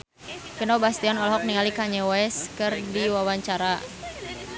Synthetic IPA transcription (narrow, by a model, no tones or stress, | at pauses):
kənɔbast̪ianɔlɔɦɔk̚niŋalikaɲɛwɛskɨrdiwawaɲt͡ʃaɾa